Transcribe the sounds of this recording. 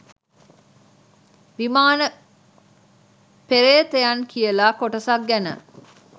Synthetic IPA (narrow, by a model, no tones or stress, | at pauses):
ʋimaːnə | peɾeːt̪ejankijəlakoʈəsak̚ɡænə̰